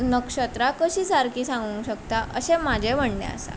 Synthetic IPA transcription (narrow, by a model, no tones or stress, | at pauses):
nəkʂət̪ɾakəɕiːsaɾkiːsãŋɡũːɕəkt̪aʔəɕemad͡ʑʱeb̤əɳnḛ̃ə̰sa̰